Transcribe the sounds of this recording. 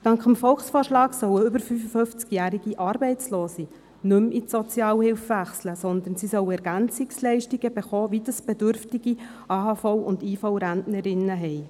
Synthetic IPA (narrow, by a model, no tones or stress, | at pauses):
tɑŋkχəmfɔlχsfɔːɾʃlɑːɡsœwəʏbəɾfyfəfɵft͡skjæːɾiɡiʔɑːɾbɛɪt͡sloːsi | nɵmisɔt͡sjɑːwhɪlfvæχsləsɔnd̪ənsisœwɛɾɡ̥ænt͡sɪkslɛɪʃtiɡəb̥eχoːʋidəsb̥ɛdʏɾftiɡ̥i | ʔɑːɦɑːfɔwʊndiːfɔwɾændnəɾɪnəɦɛɪ